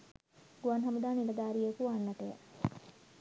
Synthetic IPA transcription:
ɡ̥uanɦɐmud̪aːnilɐd̪aːɾijekuanːɐʈejə̰

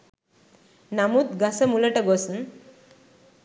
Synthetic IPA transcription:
namut̪ɡasəmuləʈəɡɔsn

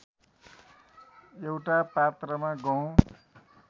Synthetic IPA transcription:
jewʈapat̪rʌmaɡʌw̃

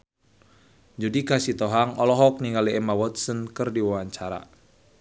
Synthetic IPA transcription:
d͡ʒudikasit̪ɔɦaŋɔlɔɦɔk̚niŋɡaliɛmawɔt̪̚sənkɨrdiwawaɲt͡ʃaɾa̰

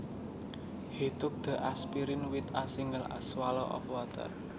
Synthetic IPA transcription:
hit̪ʊk̚d̪̥ə̤ʔaspiɾɪnwit̪asiŋɡəla̰swalɔʔɔ̰fwat̪ə̰r

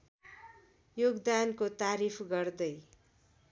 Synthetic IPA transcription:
joɡd̪ankot̪aɾipʰɡʌrd̪ʌj

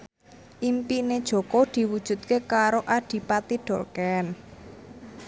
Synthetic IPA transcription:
ʔimpined̥ʒ̥ɔ̤kɔd̪̥i̤wud̥ʒ̥ṳt̪̚kekaɾoʔaɖ̥i̤pat̪iɖ̥ɔ̤lkɛn

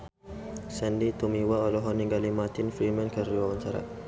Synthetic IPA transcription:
sɛndit̪umiwaɔlɔɦɔniɡalimat̪infɾimə̃nkəriwawaɲt͡ʃaɾa̰

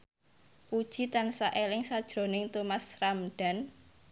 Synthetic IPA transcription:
pud̥ʒ̥i̤t̪ansaʔelɪŋsad̥ʒ̥ɾo̤nɪŋt̪umasramɖ̥a̤n

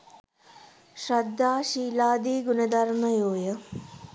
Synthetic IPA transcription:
ʃɾɐd̪ʱːaːʃiːlaːd̪iːɡunɐd̪ɐɾnɐjoːjɐ

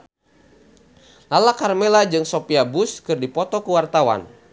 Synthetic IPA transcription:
lalakarmelad͡ʒɨŋsopiabʊskɨrdipɔt̪ɔkəwart̪awa̰n

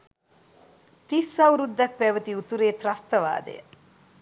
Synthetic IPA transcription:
t̪isɐwɾud̪ːɐk̚pɛːʋət̪iut̪uɾeːt̪ɾɐst̪ɐʋa̰ːd̪ḛjə

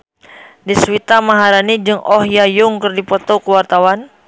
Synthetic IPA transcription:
diswit̪amaɦaɾanid͡ʒɨŋʔɔhjajʊŋkərdipɔt̪okəwart̪awan

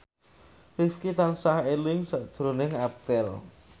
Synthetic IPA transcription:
fifkit̪ansahelɪŋsaʔd̥ʒ̥ɾo̤nɪŋap̚t̪ɛl

